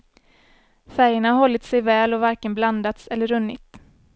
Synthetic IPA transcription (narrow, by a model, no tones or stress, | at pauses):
fæɾjəɳaɦɔlːɪt̪sɛjvɛːlɔvaɾkənbland̪at̪sɛlːəɾɵnːɪ̰t̪